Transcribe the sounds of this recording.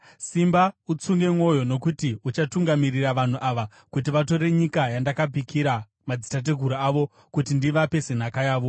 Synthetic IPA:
simbaut͡suŋɡe̞mwo̞jo̞no̞kutiut͡ʃatuŋɡamiriraʋan̤uʔaʋa | kut̬iʋato̞re̞ɲikajandakapikʰiɾa | mad͡zitat̬eɡʱuɾuaʋo̞ | kut̬indiʋape̞se̞n̤akajaːʋo̞

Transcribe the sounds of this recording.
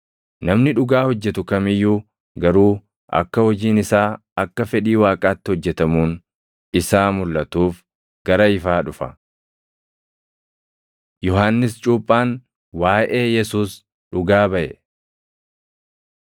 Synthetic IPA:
nɐmnɪᶑʊɡaːhɔd͡ʒːɛt̪ʊkɐmɪjːuː | ɡɐɾuː | ʔɐ̰kːɐhɔd͡ʒiːnɪsaː | ɐkːɐfɛᶑiːwaːkʼaːt̪ːɪhɔd͡ʒːɛt̪ɐmuːn | ɪsaːmʊlːɐt̪uːf | ɡ̥ɐɾɐɪfaːᶑʊfɐ | jɔɦanːɪst͡ʃʼuːpʼːaːn | waːʔe̞ːjɛsuːs | ᶑʊɡaːbɐʔɛ

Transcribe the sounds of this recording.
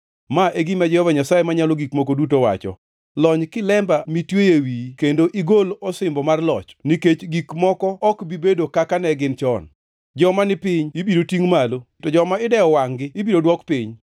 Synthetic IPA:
maʔeɡimad͡ʒɛhɔvaɲasajemaɲalɔɡikmokodut̬owa̰t͡ʃɔ̰ | lɔɲkɪlɛmbamitwejewikendoʔiɡolɔsɪmbɔmarlɔt͡ʃniket͡ʃɡikmɔkɔɔkbibedokakanɛɡɪnt͡ʃɔn | d͡ʒɔmanɪpɪɲibiɾotiŋmalo | tɔd͡ʒɔmaɪdɛɔwaŋɡɪibidodwɔkpɪɲ

